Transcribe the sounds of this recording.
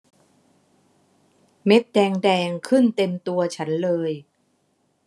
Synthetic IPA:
me˦˥t̪̚dɛː˧ŋdɛː˧ŋkʰɯ˥˩nt̪e˧mt̪u˧ɐt͡ɕʰa˦˥nlɤː˧j

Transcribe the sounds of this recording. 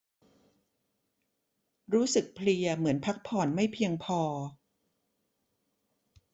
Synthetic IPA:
ɾuː˦˥sɯ˨˩k̚pʰli˧ɐmɯ˩˦ənpʰa˦˥k̚pʰɔː˨˩nma˥˩jpʰi˧əŋpʰɔː˧

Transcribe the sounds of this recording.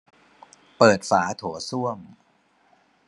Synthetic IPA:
pɤː˨˩t̪̚faː˩˦t̪ʰu˩˦su˥˩əm

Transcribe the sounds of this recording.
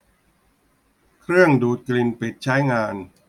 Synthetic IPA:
kʰɾɯ˥˩əŋduː˨˩t̪̚kli˧npi˨˩t̪̚t͡ɕʰa˦˥jŋaː˧n

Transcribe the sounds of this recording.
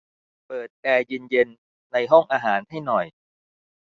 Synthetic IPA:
pɤː˨˩t̪̚kɛː˧jɯː˧nje˧nː | a˧jɦɔ˥˩ŋʔaː˧ɦaː˩˦nha˥˩jnɔ˨˩j

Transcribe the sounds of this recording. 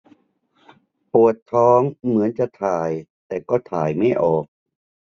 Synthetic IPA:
pu˨˩ət̪ʰːɔː˦˥ŋmɯ˩˦ənt͡ɕa˨˧˩t̪ʰaː˨˩jt̪ɛː˨˩kɔː˥˩t̪ʰaː˨˩jma˥˩jʔɔː˨˩k̚

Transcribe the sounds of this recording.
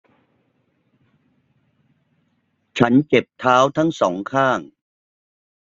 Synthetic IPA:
t͡ɕʰa˦˥nt͡ɕe˨˩p̚t̪ʰaː˦˥wt̪ʰa˦˥ŋsɔ̰ː˩˦ŋkʰaː˥˩ŋ

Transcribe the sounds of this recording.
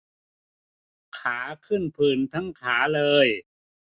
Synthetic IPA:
kʰaː˩˦kʰɯ˥˩npʰɯː˨˩nt̪ʰa˦˥ŋkʰaː˩˦lɤː˧j

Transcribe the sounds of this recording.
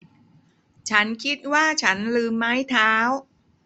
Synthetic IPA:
t͡ɕʰa˦˥nkʰi˦˥t̪̚waː˥˩t͡ɕʰa˦˥nlɯː˧mːa˦˥jt̪ʰaː˦˥w

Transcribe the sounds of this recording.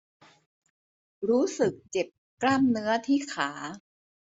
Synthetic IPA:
ɾuː˦˥sɯ˨˩k̚t͡ɕe˨˩p̚klaː˥˩mnɯ˦˥ɐt̪ʰiː˥˩kʰaː˩˦

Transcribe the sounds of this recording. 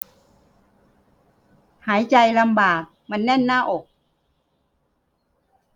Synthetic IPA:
haː˩˦jt͡ɕa˧jla˧mbaː˨˩k̚ma˧˥nːɛ˥˩nːaː˥˩ʔoː˨˩k̚

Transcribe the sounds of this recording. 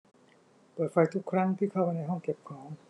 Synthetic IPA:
pɤː˨˩t̪̚fa˧jt̪ʰu˦˥kʰːɾa˦˥˩ŋt̪ʰiː˥˩kʰa˥˩wpa˧jna˧jɦɔ˥˩ŋke˨˩p̚kʰɔː˩˦ŋ

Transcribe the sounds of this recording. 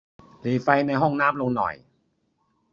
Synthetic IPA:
liː˨˩fa˧jna˧jɦɔ˥˩ŋnaː˦˥˩m̚lo˧ŋnɔ̰˨˩j

